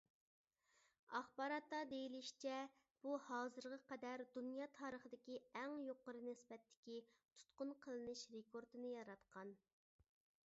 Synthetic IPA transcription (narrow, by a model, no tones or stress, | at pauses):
ɑχbɑːɾɑt̪ːɑd̪ejiliʃt͡ʃʰɛ | b̥uhɑːzɨɾʁɑqɛd̪æɾd̪unjɑːt̪ʰɑːɾəχəd̪ɪkʲiɛŋjoqəɾɨnɪsbɛt̪ʰːɪ̥kʲit̪ʰu̥t̪qʊnqʰəlˠɨnɨʃɾekʰoɾt̪ʰɨnɨjɑɾɑt̪qʰɑn